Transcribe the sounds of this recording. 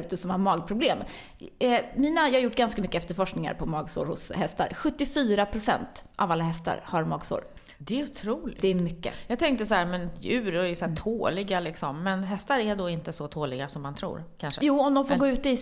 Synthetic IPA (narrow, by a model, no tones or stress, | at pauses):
ʉ̟ːt̪əsɔmhaɾmɑːɡpʰɾʊbleːm | ɛmiːnajɑːhaɾjʊʈːɡanskamʏkːəɛft̪əɾfɔʂknɪŋa̰ɾpʰɔmɑːɡso̰ːɾhʊ̰shɛst̪a̰ɾɧɵt̪ːɪfyːɾapʰɾʊsɛ̰nt̪ʔavalːahɛst̪a̰ɾhaɾmɑːɡso̰ːɾ | d̪̥ɛːʊt̪ʰɾuːlɪd̪ɛɛmʏkːə̰jɑːɡ̚t̪ʰɛŋkt̪əsɔhæːɾmɛnjʉ̟ːɾɔɛjsɔæt̪ʰoːlɪɡalɪksɔmːɛnɦɛst̪aɾæɖɔɪnt̪əsɔt̪ʰoːlɪɡasɔmːant̪ʰɾṵːɾkʰanʂəjuːɔmd̪ɔmfoɾɡoːʉ̟ːt̪əɪ